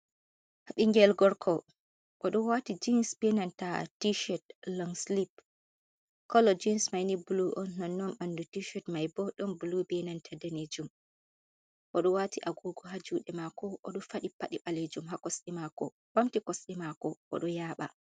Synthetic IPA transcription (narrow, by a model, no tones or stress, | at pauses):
haɓiŋɡɛlɡɔɾkʰɔ | ʔɔɗɔwatid͡ʒinsbɛnantatiʃɔt̚lɔŋslip̚ | kɔlɔd͡ʒinsmajnibuluʔɔnnɔnːɔnɓandutiʃɔtmajbɔɗɔnbulubɛnantʰadɛned͡ʒum | ʔɔɗɔwatiʔaɡoɡɔɦad͡ʒuːɗɛmakɔʔɔɗɔfaɗipaɗiɓaled͡ʒumɦakɔsɗimakɔ̰ | b̥amtikɔsɗimakɔʔɔ̰ɗɔjaɓa̰